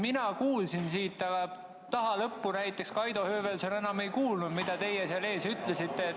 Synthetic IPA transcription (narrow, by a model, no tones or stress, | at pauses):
minɑkuːlsinsiːt̪ːˑɑɡ̥ɑ | t̪ɑɦɑlɤpːunæjt̪ːˑe̞kskɑjd̪ohøːvelseone̞nɑme̞jkuːlnud̪̥mid̪̥ɑt̪e̞jeseɑle̞ːsyt̪ˑle̞sit̪ːe̞